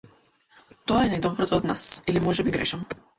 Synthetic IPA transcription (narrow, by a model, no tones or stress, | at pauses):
t̪ɔaɛnajd̪ɔbɾɔt̪ɔːd̪na̰silimɔʒɛbiɡɾɛ̰ʃam